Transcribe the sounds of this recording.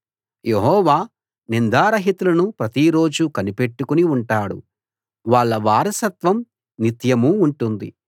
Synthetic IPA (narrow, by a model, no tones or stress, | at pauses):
jeɦɔːʋaː | nind̪aːɾɐɦit̪ulɐnupɾɐt̪iɾo̞ːd͡ʒukɐnipe̞ʈːukuniuɳʈaːɽṵ | ʋaːɭːɐʋaːɾɐsɐt̪ʋɐm | nit̪jɐmuːɳʈund̪ḭ